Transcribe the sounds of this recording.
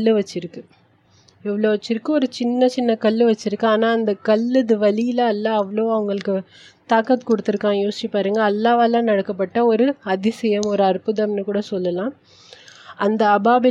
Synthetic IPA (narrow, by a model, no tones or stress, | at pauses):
ɭːɯʋɐt͡ʃːɪɾɯkːɯ | ɪʋːɐɭoːʋɐt͡ʃːɪɾɯkːɯɔɾɯt͡ʃɪnːɐt͡ʃɪnːɐkɐɭːɯʋɐt͡ʃːɪɾɯkːɯaːnaːɐnd̪ɐkɐlːɯðɯʋɐlɪjɪlɐːlːɐːʋɐɭoːɐʋɐŋɡɐɭɯkːɯ | t̪aːkɐt̪kɔɽɯt̪ːɯɾɯkːãːjoːsɪt͡ʃipːaːɾɯːŋɡɐːlːaːʋalãːnɐɽɐkːɐp̬ːɐʈːɐɔɾɯɐðɪsɛjɐmɔɾɯɐɾpɯðɐmnɯkuːɽɐsɔlːɐlãː | ʔɐnd̪ɐːbaːbɪ